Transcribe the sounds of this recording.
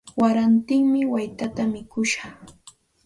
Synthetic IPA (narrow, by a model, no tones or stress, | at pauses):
waɾant̪ɪŋmɪwajt̪at̪amɪkʊʃɑ̥χ